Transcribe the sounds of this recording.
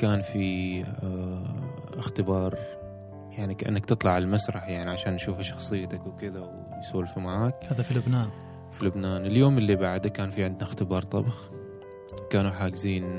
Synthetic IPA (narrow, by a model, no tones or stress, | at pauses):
kaːnfi | ɪxt̪ɪbɑːɾˤ | jaʕnikaʔa̰nːak̚t̪ɨt̪ˤlɑʕallmasɾˤɑħjaʕniʕaʃaːnʔʃuːfaʃɑ̥xsˤɨjːt̪akwkɪðawjsuːlfumaʕaːkhaːðafilʊbnaːn | filʊbnaːnɪljoːmɪlːibaʕd̪akaːnfiʕɪnd̪naɪxt̪ɪbɑːɾˤt̪ˤɑ̰bx | kaːnuħaːɡɪziːn